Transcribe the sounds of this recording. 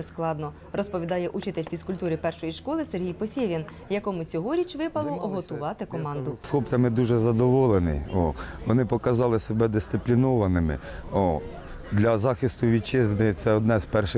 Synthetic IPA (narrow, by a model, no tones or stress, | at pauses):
sklˠɑd̪nɔ | rɔspɔʋʲid̪ɑjɛʔut͡ʃɪt̪elʲfʲiskʊlʲt̪uɾɪpɛrʃɔjiʃkɔlˠɪserɦʲijpɔsʲeʋʲin | jɐkɔmʊt͡sʲɔɦɔɾʲit͡ʃʋɪpɐlˠɔʔɔɦɔt̪ʊʋɑt̪ɪkɔmɑnd̪ʊslˠɔpt͡sʲɐmɪd̪uʒɛzɐd̪ɔʋɔlˠenɪ̰jɔʋɔnɪpɔkɐzɑlˠɪsebɛd̪ɪst̪ɪplʲinɔʋɐnɪmɪ̰ɔ | d̪lʲɐzɑxɪst̪ʊʋʲit͡ʃɪznɪt̪sɛɔd̪nɛzpɛrʃɪ